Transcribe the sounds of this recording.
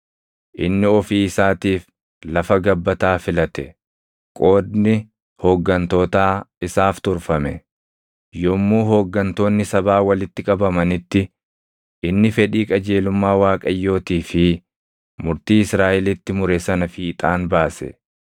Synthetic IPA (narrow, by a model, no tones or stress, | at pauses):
ʔɪnːɪɔfiːɪsaːt̪iːf | lɐfɐɡɐbːɐt̪aːfɪlɐt̪ɛ | kʼo̞ːd̪nɪ | hɔːɡːɐnt̪o̞ːt̪aːɪsaːft̪ʊɾfɐmɛ | jɔmːuːɦɔɡːɐnt̪o̞ːnːɪsɐbaːwɐlɪt̪ːɪkʼɐbɐmɐnɪt̪ːɪ | ʔɪnːɪfɛᶑiːkʼɐd͡ʒe̞ːlʊmːaːwaːkʼɐjːo̞ːt̪iːfɪ | mʊɾt̪iːɪsɾaːʔɛlɪt̪ːɪmʊɾɛsɐnɐfiːt̪ʼaːnbaːsɛ̰